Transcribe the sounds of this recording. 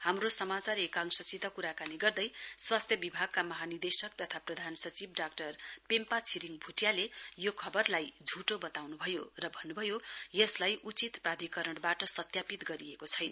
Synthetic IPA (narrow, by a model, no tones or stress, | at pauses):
hamrosʌmat͡sarekaŋsʌsit̪akuɾakaniɡʌrd̪ʌjswast̪ʰjʌbibʱaɡ̚kamʌɦanird̪esʌk̚t̪ʌt̪ʰaprʌd̪ʱansʌt͡sibɖakʈʌrpempat͡sʰiɾiŋbʱuʈjalejokʰʌbʌrlajd͡zʱuʈobʌt̪awnubʱʌjorʌbʱʌnːubʱʌjojʌslajʔut͡sit̪prad̪ʱikʌɾʌɽbaʈʌsʌt̪japit̪ɡʌɾiekot͡sʰʌjna